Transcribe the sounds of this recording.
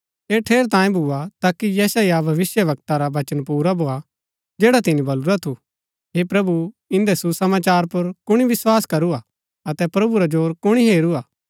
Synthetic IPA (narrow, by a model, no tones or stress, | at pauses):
eːʈʰeːɾt̪ãːĩbʱuat̪aːkːijɛːsajabʱɐʋɪsjəʋɐk̚t̪aɾabɐt͡ʃənpuːɾabʱoːa | d͡ʒeːɽat̪ɪnĩbɐluɾat̪ʰu | ɦepɾɐbu | ɪ̃nd̪ɛsusɐmaːt͡ʃaːɾpɐɾkʊɽ̃iʋɪswaːskɐɾua | ɐt̪ɛpɾɐbuɾad͡ʒoːɾkʊɽ̃iɦeːɾuaː